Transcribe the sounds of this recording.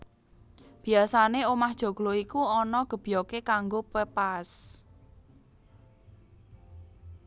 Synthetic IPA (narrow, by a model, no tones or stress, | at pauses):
b̥i̤asaneomahd̥ʒ̥o̤ɡ̥loikuɔnɔɡ̥ə̤b̥i̤jɔkekaŋɡopepas